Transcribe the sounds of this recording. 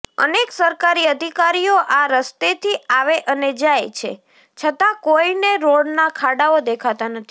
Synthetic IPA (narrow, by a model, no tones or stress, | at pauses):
ə̰neksəɾkaɾiəd̪ʱikaɾijoʔaɾəst̪et̪ʰiaʋeʔəned͡ʒajt͡ʃʰḛ | t͡ʃʰət̪ãkoineɾoɽnakʰaɽaod̪ekʰat̪anət̪ʰi